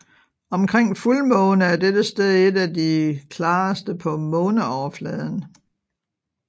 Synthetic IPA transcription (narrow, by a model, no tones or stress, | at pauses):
ɒ̽mkʰʁeŋ̰fulmɔ̽ːnəæɐd̥ed̥əsd̥eðˠe̝dæd̥ikʰlɑ̈ːsd̥əpʰɒ̽mɔ̽ːnəɒʊɐflɛːð̞ˠn̩